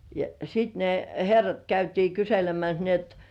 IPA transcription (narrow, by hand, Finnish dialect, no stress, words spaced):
jɑ sit ne herːɑt kæytiː kyselemæs ni et